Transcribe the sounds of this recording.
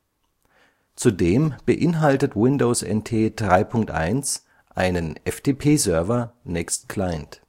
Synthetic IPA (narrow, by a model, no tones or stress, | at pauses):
t͡sudeːmb̥əʔɪnɦaltətwɪndoːsɛ̰ntʰeːdʁaɪpʰʊŋk̚tʔa̰ɪns | ʔa̰ɪnənʔɛfd̥eːpʰeːzœɐvɐnɛkstkʰl̥aɪnt